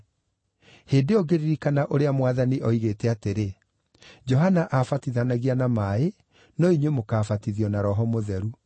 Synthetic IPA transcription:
heːndeɔɡeɾiɾikanaʔoɾeamwaðaniʔɔiɣeːtɛateɾe | d͡ʒɔɦanaʔafatiðanaɣianamae | nɔiɲwemokaːfatiðiɔnaɾɔɦɔmoðɛɾu

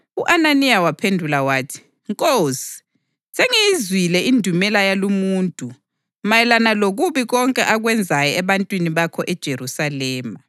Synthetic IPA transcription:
uʔananijawapʰendʱulawaːtʰi̥ | ŋkʼoːsi̥ | seŋijizwilɛindʱumɛlajalumuːntʼu | majɛlanaloɣuβiɣɔŋkʼɛʔaɣwɛnd͡zʱajɔɛβantʼwiniβakʰɔʔɛd̥ʒ̥ʱerusalɛːma

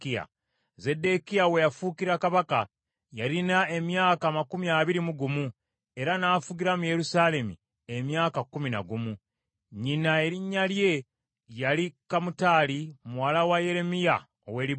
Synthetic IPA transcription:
kia̰ | ze̞de̞kijawe̞jafukiɾakaβaka | jaɾinae̞mjaːkamakumiaβiɾimuɡumu | e̞ɾanaːfuɡiɾamuje̞ɾusaːle̞mṵ | e̞mjaːkakːuminaɡumu | ɲinae̞ɾiɲːalje̞ | jalikamutaːlimuwalawaje̞ɾe̞mija | o̰we̞ɾi

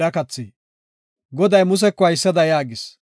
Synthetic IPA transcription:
ɾɐkɐt͡sːi | ɡɔd̪ɐjmʊs̬ɛkːɔɐjsːɐd̪ɐjaːɡɪs

